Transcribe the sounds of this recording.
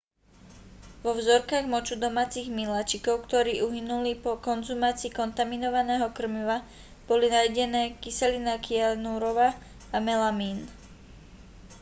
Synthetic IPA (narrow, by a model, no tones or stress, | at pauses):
ʋɔvzɔɾkaːɣmɔt͡ʃud̪ɔmaːt͡siɣmilat͡ʃikɔʊkt̪ɔɾiːʔuɦinulipɔkɔnzumaːt͡siːkɔnt̪aminɔʋanɛːɦɔkr̩miʋa | b̥ɔlinajɟɛnɛːkisɛlinakianuɾɔʋa | amɛlamiːn